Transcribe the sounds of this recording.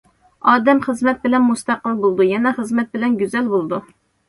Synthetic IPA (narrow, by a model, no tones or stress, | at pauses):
ɑːd̪ɛmχəzmɛt̪̚bɪlɛnmust̪ɑqəlˠbolˠd̪ujɛnɛχəzmɛt̪̚bɪlɛnɡʲyzɛlbolˠd̪u